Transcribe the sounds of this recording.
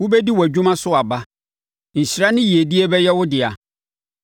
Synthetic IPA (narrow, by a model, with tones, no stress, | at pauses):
wʊ˦bɛ˦di˦wɔ˨æ˨d͡ʑᶣũ˦mã˦sʊ˦a˨ba˦ | n̩˨ɕi˨ɾa˦nɪ̃˦ji˨e˨di˦e˦bɛ˦jɛ˦wʊ˦dɪ˨a˨